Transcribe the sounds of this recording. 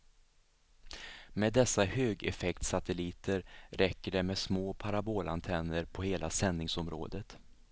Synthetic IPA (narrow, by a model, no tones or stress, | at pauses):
meːd̪ːɛsːahøːɡɛ̰fɛkt̪sat̪ɛliːt̪ʰəɾɾɛkːəɖɛmɛsmoːpʰaɾaboːlant̪ʰɛnːəɾpʰɔheːlasɛnːɪŋsɔmɾo̰ːd̪ət̪